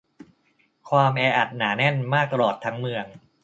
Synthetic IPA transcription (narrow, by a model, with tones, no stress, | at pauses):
kʰwaː˧mʔɛː˧ʔa˨˩t̪̚naː˩˦nɛ˥˩nmaː˥˩k̚t̪a˧lɔː˨˩t̪ʰːa˦˥ŋmɯ˧əŋ